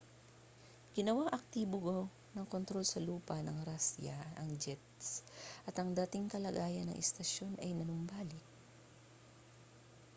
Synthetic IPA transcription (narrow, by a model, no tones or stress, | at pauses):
ɡ̥ɪnɐwaŋʔɐk̚t̪iːboɡo | nɐŋko̞nt̪ɾo̞lsɐluːpɐnɐŋɾasjɐ̰ɐŋd͡ʒɛt̪sʔɐt̪ɐŋd̪at̪ɪŋkɐlɐɡaːjɐnɐ̰ŋʔɛst̪ɐʃjo̞nɐjnɐnʊmbaːlɪk̚